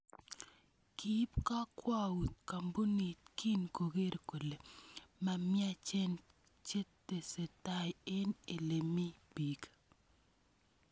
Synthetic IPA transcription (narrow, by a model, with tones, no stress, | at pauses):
kʰi˦pka˦kwa˦wu˨t̪̚ka˨mbu˦ni˨t̪̚kʰi˦nko˨ɡe˦ɾko˨le˨ma˨mɪ˦a˦t͡ʃɛ˦n | t͡ʃe˦tːe˨se˨ta˦je˦ne˨le˨mi˦bi˨k